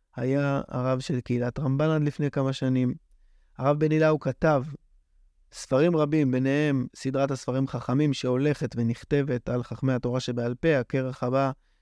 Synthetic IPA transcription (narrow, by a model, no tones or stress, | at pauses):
hajaa̰ʁavʃe̞lkeilatʁambanad̪lifne̞jkamaʃanim | aʁavbenilaukatav | sfaʁimʁabimbe̞ne̞he̞msidʁathasfaʁimχaχamimʃe̞o̞le̞χe̞tve̞niχte̞ve̞talχaχme̞hato̞ʁaʃebealpeake̞ʁeχhaba